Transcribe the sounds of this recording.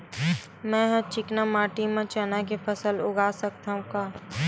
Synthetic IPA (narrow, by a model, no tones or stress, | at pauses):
mɛ̃ɦɐt͡ʃɪknamaːʈimẽt͡ʃanakepʰəsəlʊɡaːsəkt̪aɦũkaː